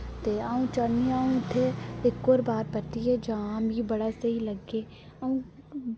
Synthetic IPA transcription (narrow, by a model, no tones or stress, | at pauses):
t̪eaːũt͡ʃaniaːũt̪ʰeɪkːoːɾbaːɾpɐt̪iɦed͡ʒaːmɦibɐɽasɐɦilɐɡeː | aũ